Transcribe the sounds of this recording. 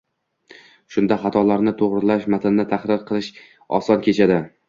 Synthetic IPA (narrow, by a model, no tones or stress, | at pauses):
ʃʊnd̪aχɑt̪ʰɒlaɾnɪt̪ʰoʁɾɪlaʃmat̪ʰɪnnɪt̪ʰaχɾɪɾqʰɨlˠɪʃ | ɒ̰sɒnkʲʰe̞t͡ʃʰad̪ɪ